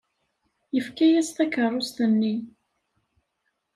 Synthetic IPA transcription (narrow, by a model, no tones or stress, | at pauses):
jəfkæjæst̪ækərˤːost̪ənːi